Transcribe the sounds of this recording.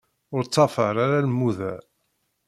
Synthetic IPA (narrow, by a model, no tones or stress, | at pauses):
ʊɾt͡sːɑfəɾaɾaləmːuðæ